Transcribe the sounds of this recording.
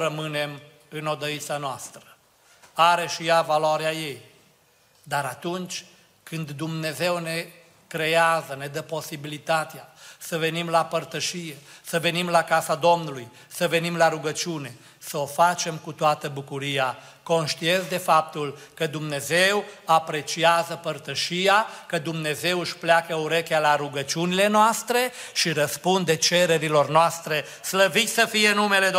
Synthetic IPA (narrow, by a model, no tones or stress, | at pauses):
ɾəmɨne̞m | ɨno̞d̪əit̪sanoast̪ɾə | aɾe̞ʃijavaloaɾeaje̞j | d̪aɾat̪unt͡ʃʲ | kɨnd̪ːumne̞ze̞wne̞ | kɾe̞azəne̞d̪əpo̞sibilit̪at̪easəve̞nimlapərt̪əʃije̞səve̞nimlakasad̪o̞mnuluj | səve̞nimlaɾuɡət͡ʃune̞ | səo̞fat͡ʃe̞mkut̪oat̪əbukuɾija | ko̞nʃt̪iensd̪e̞fap̚t̪ulkəd̪umne̞ze̞wapɾe̞t͡ʃiazəpərt̪əʃijakəd̪umne̞ze̞wɨʃʲpleakəuɾe̞kʲalaɾuɡət͡ʃiunile̞noast̪ɾe̞ʃiɾəspund̪et͡ʃe̞ɾe̞ɾilo̞rnoast̪ɾe̞ | sləvit̪ʲsəfijenume̞le